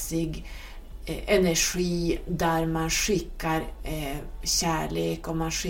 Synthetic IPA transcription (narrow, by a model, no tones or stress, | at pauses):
sɪɡ | ɛnæʂiːd̪æɾmanʂɪkːaɾ | ɕæːɭeːkɔmanʂɪ